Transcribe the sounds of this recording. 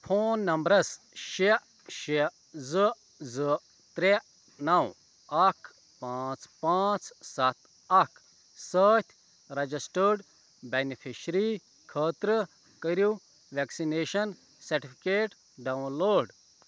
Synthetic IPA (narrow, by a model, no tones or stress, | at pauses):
pʰoːnːɐmbɾɐs | ʃeʔ | ʃe | zɨ | zɨ | t̪ɾe | nɐw | ɐkʰ | pãːt͡spãːt͡ssɐt̪ | ɐkʰ | səːt̪ʰʲ | ɾɐd͡ʒisʈəɾɖ | benipʰiʃɾi | kʰəːt̪ɾə | kəɾu | ʋeksineːʃɐn | sɐɾʈipʰikeːʈ | ɖawnloːɖ